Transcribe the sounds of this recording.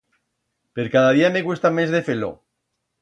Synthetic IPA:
pe̞ɾkaðaðiame̞ɣwust̪amezðefelo̰

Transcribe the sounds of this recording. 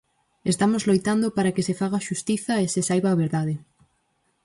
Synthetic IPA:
est̪amozlojt̪and̪opaɾakɪsefaɣaʃust̪iθɐesɪsajβaːβeɾðaðɪ

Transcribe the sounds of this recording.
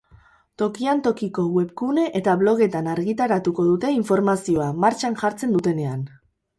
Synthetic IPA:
t̪o̞kiant̪o̞kiko̞ɣwe̞βkune̞ʔet̪aβlo̞ɣ̞e̞t̪anaɾɣit̪aɾat̪uko̞ðut̪e̞iɱfo̞ɾmasio̞amaɾt͡ʃanʝaɾt͡se̞nd̪ut̪e̞ne̞an

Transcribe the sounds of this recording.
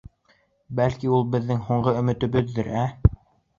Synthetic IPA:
bælkiulˠbɘ̆ðːɘŋɦuɴɢɤɵ̆mɘ̆t̪ɵ̆βɵðːɘɾæ

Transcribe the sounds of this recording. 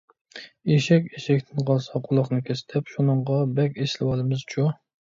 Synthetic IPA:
eʃɛkʲeʃɛkʲt̪ʰɪnqʰɑlˠsɑqʰʊlˠɑχnɨkʲʰɛsɪ̥t̪ʰɛpʃunɨɴʁɑbɛkʲeslɪwɑlˠɨmɨzt͡ʃʰu

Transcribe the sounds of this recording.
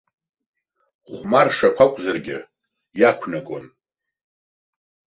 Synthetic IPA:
ʁʷmarʂakʷʰakʷʼzarɡʲɪ̰ | jakʷʰnaɡo̰n

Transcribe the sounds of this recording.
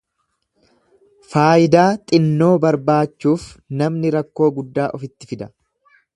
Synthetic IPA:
faːjɪd̪aːt̪ʼɪnːo̞ːbɐɾbaːt͡ʃːuːfnɐmnɪɾɐkːo̞ːɡʊd̪ːaːʔɔfɪt̪ːɪfɪd̪ɐ̥

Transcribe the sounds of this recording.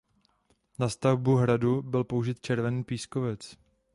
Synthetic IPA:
nast̪avbuɦɾadubɪlpo̞uʒɪt̪̚t͡ʃɛɾvɛniːpiːskovɛt͡s

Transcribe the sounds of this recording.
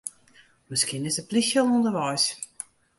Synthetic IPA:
mɪskiənɪsəplixjəlˠundəʋɔjs

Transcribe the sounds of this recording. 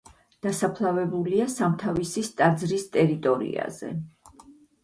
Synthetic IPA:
d̪̥asapʰlˠavɛbuliasamt̪ʰavisist̪ʼad̪zɾist̪ʼɛɾit̪ʼɔɾḭa̰zɛ̰

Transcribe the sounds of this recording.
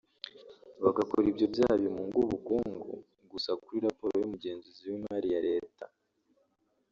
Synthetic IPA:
βaɡakoɾibjo̞bjaːhaβomuŋɡuβukuːŋɡṵ | ɡusakuɾiɾapo̞ɾojomuɟe̞ːnziziwimhaɾijaɾe̞ːta

